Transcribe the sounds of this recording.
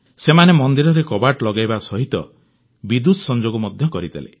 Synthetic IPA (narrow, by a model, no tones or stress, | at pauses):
semanemɔnd̪iɾɔɾekɔbaʈlɔɡajbasɔɦit̪ɔ̰ | bid̪ud̪sɔnd͡ʒoɡɔmɔd̪ʱjɔkɔɾit̪ʰa̰lḛ